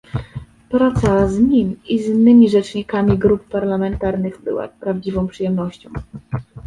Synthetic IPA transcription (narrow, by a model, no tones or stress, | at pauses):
pɾat̪sazɲimizinːɘmʲiʐɛt͡ʂɲikamʲiɡɾup̚ːaɾlamɛnt̪aɾnɘɣbɘ̰wa̰pɾavd͡ʑivɔ̃w̃pʂɨjɛmnɔɕt͡ɕɔ̰̃w̃